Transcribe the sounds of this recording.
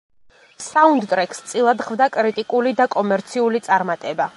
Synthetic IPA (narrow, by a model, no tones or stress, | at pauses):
saund̪t̪ʼɾɛkʼst̪sʼilˠad̪χvd̪akʼɾit̪ʼikʼulid̪akʼɔmɛɾt̪sʰiulit̪sʼaɾmat̪ʼɛba